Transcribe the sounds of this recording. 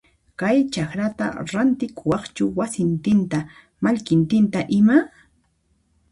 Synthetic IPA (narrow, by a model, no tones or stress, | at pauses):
kajt͡ʃakɾat̪a̰ɾant̪ɪkʊwɑχt͡ʃʊwasɪnt̪ɪnt̪a | maʎkɪnt̪ɪnt̪aʔɪma